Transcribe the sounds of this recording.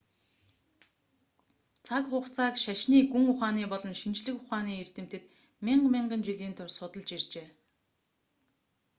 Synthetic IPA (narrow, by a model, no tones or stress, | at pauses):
t͡sʰakχʊχt͡sʰaːkʃaʃniːɡuŋʊχaːniːpɔɮɞ̆nʃint͡ɕɮɘ̆kʊχaːniːer̥t̪ɘ̆m̥t̪ɘ̆t̪ | miɴɢmiɴɢə̆nt͡ɕiɮiːnt̪ʰʊrsʊt̪ə̆ɮt͡ɕirt͡ɕeː